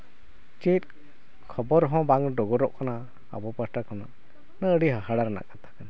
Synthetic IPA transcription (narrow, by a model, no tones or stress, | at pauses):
t͡ʃit̪̚ | kʰɔbɔɾɦɔ̃baŋɖɔɡɔɾɔʔkana | a̰bɔpəsʈakɔna̰ | nəʔəɽiɦəɦaɽaɾana̰ʔkat̪ʰḁkana